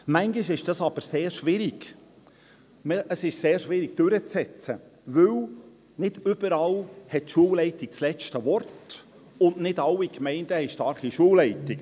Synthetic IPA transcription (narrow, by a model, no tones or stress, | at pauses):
mæŋɡiʃɪʃd̥ɑsɑb̥əɾseːɾʃʋɪɾiɡ | mʔəsɪʃseːɾʃʋɪɾiɡ̥̚d̥øɾət͡sɛt͡səʋɵw | nɪd̥ʏb̥əɾɑlhɛtʃuəlɛɪtɪkslɛt͡ʃtəʋɔrt | ʊnnɪdɑlwːikmɛɪnd̥əhɛɪʃtɑɾχiʃuəwlɛɪtɪk